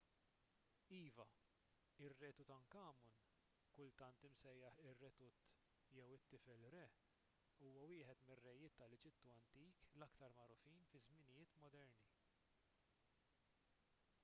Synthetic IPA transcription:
iːvɐ | ɪrːɛːt̪ut̪ɐŋkɐːmʊn | kʊlt̪ɐnt̪ɪmsɛjːɐħɪrːɛt̪ʊt̪ː | jɛwɪt̪ːɪfɛlɾɛ | uːwɐwɪːħɛt̪mɪrːɛjɪːt̪ːɐlɛd͡ʒɪt̪ːuɐnt̪iːklɐkt̪ɐɾmɐɾʊfiːnfɪzmɪnɪjɪːt̪mɔd̪ɛɾni

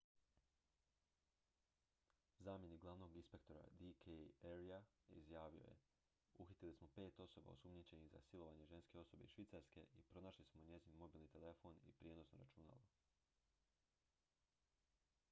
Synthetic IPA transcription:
zaːmje̞nikɡlˠaʋno̞ɡinspe̞kt̪o̞ɾa̰d̪ikʰeeɾijaḭzjaːʋio̞̰je̞̰ | uxit̪ilismo̞pe̞ːt̪o̞so̞ba̰osumɲit͡ɕe̞niɣza̰silˠo̞ʋaɲe̞ʒe̞nske̞o̞so̞be̞iʃʋit̪saɾske̞̰ʔipɾo̞naːʃlismo̞ɲe̞zinmo̞biːlnit̪ele̞fo̞nḭpɾjeno̞snoɾa̰t͡ʃuna̰lo

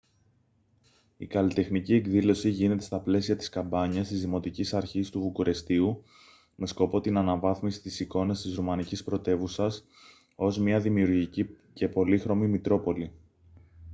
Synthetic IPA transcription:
ikɐlit̪e̞xnicie̞kðilo̞siʝine̞t̪e̞st̪ɐple̞siɐt̪i̥skɐmbɐɲɐst̪izðimo̞t̪icisɐɾçist̪uvukuɾʔe̞st̪iu | me̞sko̞po̞t̪inɐnɐvɐθmisi̥t̪isiko̞nɐst̪izɾumɐnicispɾo̞t̪e̞vusɐs | o̞zmɲɐðimiuɾʝici | ce̞po̞lixɾo̞mimit̪ɾo̞po̞li

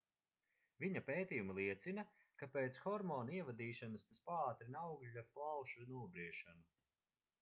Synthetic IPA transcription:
viɲapeːt̪ijumlˠiɛt̪sinɐ | kapeːt̪sxɔɾmɔːniɛvad̪iːʃanɐst̪aspaːt̪ɾinawɡʎʲaɾplˠawʃunuɔbɾiɛʃanu

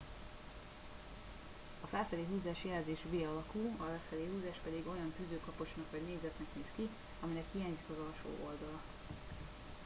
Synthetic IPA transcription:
ɒfɛlfɛleːɦuːzaːʃjɛlzeːʃʋeːɒlɒkuːɒɛfɛleːɦuːzaːʃpɛd̪iɡo̞jɒnfyzøːkɒpo̞ʃnɒkʋɒɟneːzɛt̪nɛkneːski | ɒminɛkhiaːɲzikɒzɒlʃo̰ːʔo̞ld̪ɒlɒ

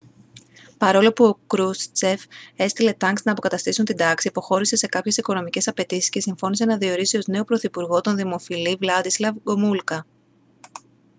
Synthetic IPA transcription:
pɐɾo̞lo̞puo̞kɾust͡seve̞st̪ile̞t̪ɐŋksnɐːpo̞kɐt̪ɐst̪isunt̪ind̪ɐksiipo̞xo̞ɾise̞se̞kɐpçe̞siko̞no̞mice̞sɐpe̞t̪isi̥sce̞siɱfo̞nise̞nɐðio̞ɾisio̞zne̞o̞pɾo̞θipuɾɣo̞t̪o̞nðimo̞filivlɐd̪islɐvɡo̞mulkɐ

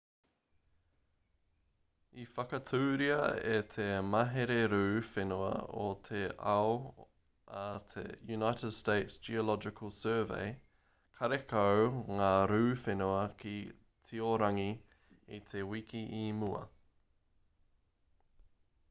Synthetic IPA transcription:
ifɐkɐtʰʉːɾiɐḛt̪ʰemɐɦeɾeɾʉːfenuɐ̰o̰t̪ʰeɐo | ɐt̪ʰḛjunaɪtəd̥steɪtsd͡ʒiolɔd͡ʒɪkʰəlˠsɜːvḛɪ | kʰɐɾekʰowŋaːɾʉːfenuɐkʰi | tʰioɾɐŋi | it̪ʰewikiʔimuɐ̰

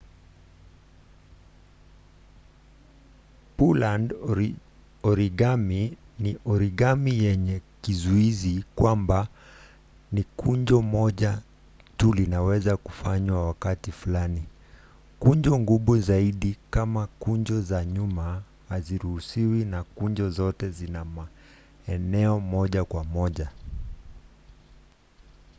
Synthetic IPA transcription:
puland | ɔɾiɡami | niʔɔɾiɠamijɛɲɛkizuizikwamba | nikʰuɲd͡ʒɔmɔʄa | tulinawɛzaku̥faɲwawakatifulani | kuɲd͡ʒɔŋɡuɓuzaiɗikamakuɲd͡ʒɔzaɲuma | haziɾuhusiwinakuɲd͡ʒɔzɔtɛzinama | ɛnɛɔmɔʄakwamɔʄa

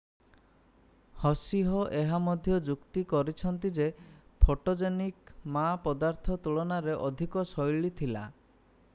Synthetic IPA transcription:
hɔsiɦɔʔeɦamɔd̪ʱjɔd͡ʒukt̪ikɔɾit͡ʃʰɔnt̪id͡ʒepʰoʈod͡ʒenikmapɔd̪aɾt̪ʰɔt̪uɭɔnaɾeʔɔd̪ʱikɔsɔjɭit̪ʰila̰

